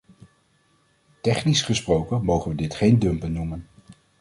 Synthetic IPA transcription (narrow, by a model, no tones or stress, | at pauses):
tɛχnisχəsprowkəmowχənʋədɪtχejndɵmpənːumən